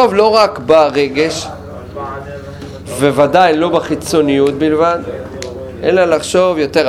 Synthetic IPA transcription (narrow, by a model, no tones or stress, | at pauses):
ovlo̞ʁakbaʁeɡe̞ʃ | vevadajlo̞baχit͡so̞nijut̪̚bilvad̪ | ʔḛnlalaχʃo̞vjo̞t̪e̞ʁ